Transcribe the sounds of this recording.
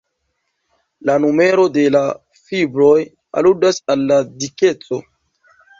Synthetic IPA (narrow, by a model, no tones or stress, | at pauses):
lanume̞ɾo̞de̞la | fibɾo̞j | a̰ludasalːadike̞t͡so̞